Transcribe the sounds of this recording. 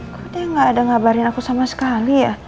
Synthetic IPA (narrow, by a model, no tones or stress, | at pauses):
kadajaŋɡaːdaŋabaɾɪnakusamasə̥kalija